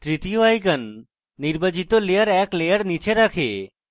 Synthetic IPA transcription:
t̪ɾit̪ijoajkənː | iɾbəd͡ʒit̪oleəɾɛːklejəɾnit͡ʃʰeɾakʰḛː

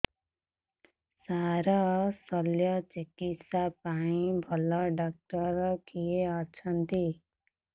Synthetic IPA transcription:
saɾʌsʌljʌt͡ʃikit̪sapaɽ̃ĩbʱʌlʌɖak̚ʈʌɾkijeʌt͡ʃʰʌnt̪i

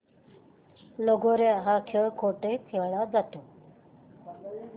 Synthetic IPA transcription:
loːɡoɾeɦakʰokʰoːʈepʰeʋɭad͡zat̪oː

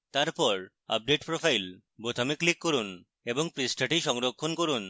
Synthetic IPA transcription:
t̪aɾpɔɾ | a̰p̚ɖeʈpɾofajl | bot̪ʰamiklikːɔɾun | eboŋpɾisʈʰaʈiʃɔŋɾokʰːonkoɾun

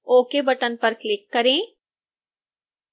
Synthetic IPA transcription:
oːkebɐʈənpɐɾklɪkːɐɾẽː

